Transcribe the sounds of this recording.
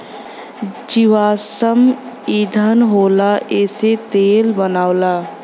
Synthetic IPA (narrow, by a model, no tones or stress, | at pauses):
d͡ʒiʋaːsəm | id̪ʱənɦoːlaeːset̪eːlbənaːola